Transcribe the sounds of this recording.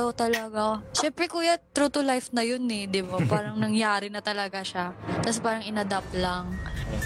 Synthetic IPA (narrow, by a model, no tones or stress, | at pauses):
ot̪ɐlɐɡaʃɛmpɾɛkuːjat̪ːɾuːt̪ʊlajfnɐjonɛd̪ɪbapaːɾɐŋnɐŋjaːɾɪnɐt̪ɐlɐɡaʃat̪ɐspaːɾɐŋɪnɐd̪aplaŋ